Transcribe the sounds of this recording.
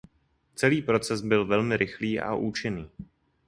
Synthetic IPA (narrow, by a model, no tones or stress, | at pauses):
t͡sɛliːpɾo̞t͡sɛsbɪlvɛlmɪɾʔɪxliːʔa̰ʔuːt͡ʃɪniː